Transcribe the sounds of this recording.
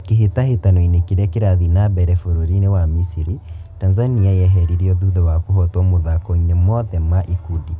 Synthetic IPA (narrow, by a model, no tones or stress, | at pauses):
keɦetahetanɔinekeɾɛkeɾaðinabɛɾɛfoɾoɾinewamisiɾi | tanzaniajɛɦɛɾiɾiɔðuðɛwakohɔtɔmoðakoinemɔðɛmaʔikudi